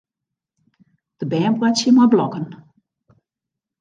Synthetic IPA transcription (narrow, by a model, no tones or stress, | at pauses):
d̥əbɛːmbrasjəmablɔkən